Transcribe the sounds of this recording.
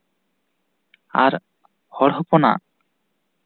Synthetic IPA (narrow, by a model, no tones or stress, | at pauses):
a̰ɾ | hɔɽɦɔpɔna̰